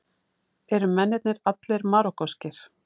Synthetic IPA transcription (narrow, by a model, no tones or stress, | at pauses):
ɛɾʏmɛnːɛt̪̚nɪɾat̪lɪɾmaɾɔkɔscɪɾ̥